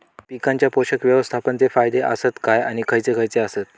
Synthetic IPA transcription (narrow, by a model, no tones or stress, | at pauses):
pikãɲt͡ɕjapoɕəkʋjəʋəst̪ʰapəɳt͡sefajd̪eʔə̰sət̪kajaɽ̃ikʰəjt͡sekʰəjt͡seəsət̪̚